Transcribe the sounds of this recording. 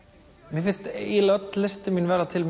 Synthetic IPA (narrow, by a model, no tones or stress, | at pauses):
mɪfɪn̥st̪ilœt̪lɪst̪ɪminvɛːɾat̪ʰɪlm